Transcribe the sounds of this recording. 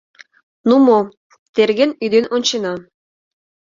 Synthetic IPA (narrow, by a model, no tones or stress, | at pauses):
numo | t̪erɣenyd̪enʔont͡ɕenɑ